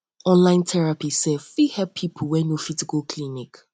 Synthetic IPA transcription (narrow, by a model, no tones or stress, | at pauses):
ɔ̃nlãɪ̃ntʰɛɹapisɛfihɛppʰːipʰuwɛnofizikolkʰlinik